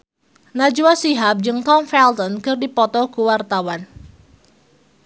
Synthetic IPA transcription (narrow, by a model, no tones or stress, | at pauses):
nad͡ʒuwasiɦap̚d͡ʒɨŋt̪ɔmfɛlt̪ɔnkɨrdipɔt̪ɔkuwart̪awan